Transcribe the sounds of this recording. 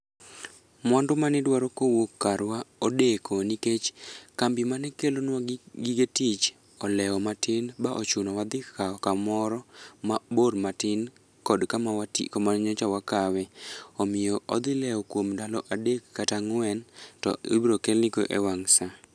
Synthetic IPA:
mɔndʊmanɪdwaɾokowokːaɾwaodekʰoniket͡ʃkambimanɛkelonwaɡiɡetit͡ʃ | ɔlɛɔmatɪnbaʔot͡ʃunɔwad̪ɪkaɔkamɔɾɔmaboɾmatɪn | kɔdkamawatḭkɔmaɲɔt͡ʃawakawɛɔmɪjɔɔ̰d̪ɪlɛɔkwomdalɔʔadekːataŋwɛntɔ̰ḛbɾokelnɪɡoʔḛwaŋsa

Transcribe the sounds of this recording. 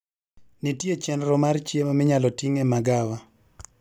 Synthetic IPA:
nitjet͡ʃɛnɾɔmart͡ʃjemamɪɲalɔtiŋɛmaɡawa

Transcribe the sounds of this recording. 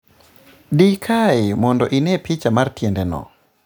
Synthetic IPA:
dikʰaɪmɔndɔʔinɛpit͡ʃamartjɛndɛnɔ̰

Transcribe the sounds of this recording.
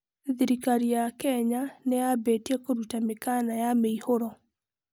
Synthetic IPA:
ðiɾikaɾijakɛɲaneabetɛkoɾutamekanajameihoɾɔ

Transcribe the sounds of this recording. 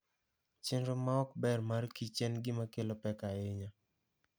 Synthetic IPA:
t͡ʃɪnɾomaɔkbɛrmarkit͡ʃɛnɡɪmakelopɛkaeɲa

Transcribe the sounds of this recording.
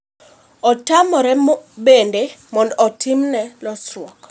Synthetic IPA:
ɔtamɔɾɛbendemɔndɔtʰimnɛlɔsrwɔk

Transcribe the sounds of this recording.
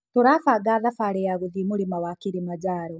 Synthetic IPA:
toɾafaːɡaːðafaːɾejaɣuðimulimawakiɾimad͡ʒaːɾo

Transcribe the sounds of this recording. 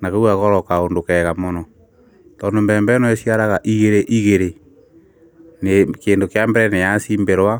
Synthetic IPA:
nakeuɣaɣɔɾɔkaondokɛɣamɔnɔ | tɔndombɛːmbɛnɔesiaɾaɣaʔiɣeɾeʔiɣeɾe | nekeːndokjambɛɾɛnejasimbeɾwa

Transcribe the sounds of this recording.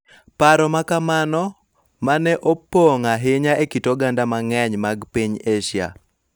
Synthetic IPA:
paɾɔmakamanɔ | manɛʔopoŋaɦɪɲaʔekitoɡandamaŋɛɲmaɡpiɲeʃja̰

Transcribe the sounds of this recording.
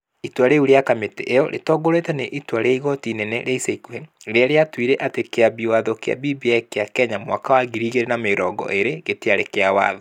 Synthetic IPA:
itwaɾeuɾeakameteʔejɔɾʔḛtɔːɡoɾetɛneʔitwaɾeiɣɔtinɛnɛɾeiseikuɛ | ɾeaɾeatwiɾɛʔatekeabiwaðokea̰bibiɛkeakɛɲamwa̰kawaɡiɾiɣeɾenameɾɔɡɔ̰ʔeɾeɣeteaɾekeawa̰ːðɔ

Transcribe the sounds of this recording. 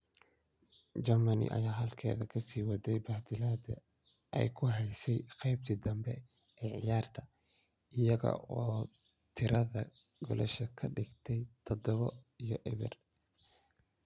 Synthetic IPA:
d͡ʒɐmɐnɪ̰ʔɐ̰jaːɦɐlkʰɛ̰ːðɐkʰɐsiːwɐd̪ɛjbaːd̪ɪlaːd̪ɐ̰ | ɛ̰jkʰʊɦɛjsɛjqɛjb̚t̪ʰid̪ɐmbɛɛːʕɪjaːrt̪ʰɐ | ɪjɐɣɐ̰ʔɔː | t̪ʰɪɾɐðɐ | ɡɔ̰lɛʃɐkʰɐɖɪɡt̪ʰɛjt̪ʰɔd̪ɔβɔijɔʔɪβɪ̰r

